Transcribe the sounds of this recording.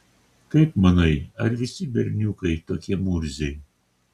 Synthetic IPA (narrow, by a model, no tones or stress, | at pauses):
kɐɪpmɐnɐɪɐɾʋʲɪsʲɪbʲɛɾʲnʲukɐɪt̪oːkʲiɛmuɾʲzʲɛɪ